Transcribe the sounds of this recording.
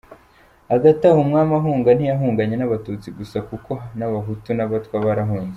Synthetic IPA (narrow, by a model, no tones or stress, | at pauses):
aɡatahumŋaːmaɦuːŋɡan̥ijaɦuːŋɡaɲenaβatut͡siɡusakuko̞naβaɦutunaβatwaβaɾaɦuːnze